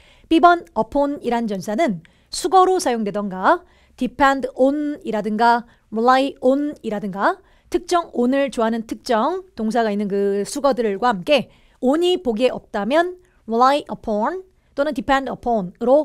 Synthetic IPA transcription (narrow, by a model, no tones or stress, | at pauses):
p͈ibʌnʌpʰoniɾant͡ɕʌnsʰanɯn | sʰuɡʌɾosʰajoŋdwedʌnɡa | tipʰendoniɾadɯŋɡa | ulaioniɾadɯŋɡa | tʰɯk̚t͡ɕ͈ʌŋonɯɭt͡ɕoɦanɯntʰɯk̚t͡ɕ͈ʌŋtoŋs̬ʰaɡainːɯnkɯsʰuɡʌdɯɭɡwahamk͈e̞ | oɲipoɡieʔʌp̚t͈amjʌn | ɭaiʔʌpʰʌn | t͈onɯntipʰendʌpʰʌnɾo